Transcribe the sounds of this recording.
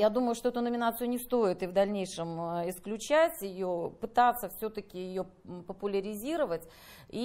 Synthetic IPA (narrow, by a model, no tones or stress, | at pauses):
jad̪uməjʊʂt̪oɛt̪ʊnəmʲɪnat̪sɨjʊnʲɪst̪o̞jɪt̪ɨvd̪ɐlʲnʲejʂɨmɪsklʲʉt͡ɕætʲjɪjopɨt̪at̪sːəfsʲɵt̪əkʲɪjɪjo | pəpʊlʲəɾʲɪzʲiɾəvətʲ | i